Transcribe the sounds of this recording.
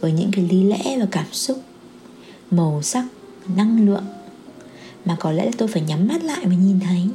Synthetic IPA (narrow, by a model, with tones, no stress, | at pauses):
vəː˨˦jɲɨ̰˧˥ŋki˨˩jli˧lɛ̰˧˥vaː˨˩kaː˧˩msʊ˦˥k͡p̚ | mə˨˩wsa˦˥k̚ | na˧ŋlɨ̰˧˨əŋ | maː˨˩kɔ˨˦lɛ̰˧˥laː˨˩t̪o˧jfaː˧˩jɲa˨˦mːa˦˥t̚la̰ː˧˨jmaː˨˩ɲi˨˩nt̪ʰə˨˦j